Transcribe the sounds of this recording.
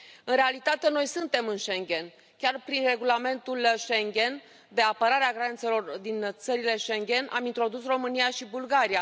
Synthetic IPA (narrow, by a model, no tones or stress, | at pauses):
ɨnɾe̞alit̪at̪e̞no̞jsɨnt̪e̞mɨnʃe̞ŋɡʲe̞n | kʲarpɾinre̞ɡulame̞nt̪ulʃe̞ŋɡʲe̞n | d̪e̞apəɾaɾeaɡɾant̪se̞lo̞rd̪int̪səɾile̞ʃe̞ŋɡʲe̞nʔamint̪ɾo̞d̪usro̞mɨnijaʃibulɡaɾia